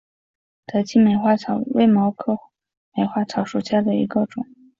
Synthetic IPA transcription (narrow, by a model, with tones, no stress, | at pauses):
t̪ʰa˧˥t͡ɕʰi˥me˨˩ɪxwa˥˩t͡sʰɑ˨˧˩ʊwe˥˩ɪmɑ˧˥ʊkʰɤ˥˩ | me˨˧˩ɪxwa˥˩t͡sʰɑ˧˥ʊʂu˨˩ɕja˥˩d̪ə˩ḭ˧˥ɡə˧ʈ͡ʂʊ˨˩˦ŋ